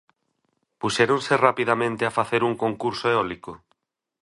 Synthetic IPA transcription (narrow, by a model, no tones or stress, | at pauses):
puʃeɾõnserapiðamẽnt̪eafaθeɾuŋkõŋkuɾsoeɔliko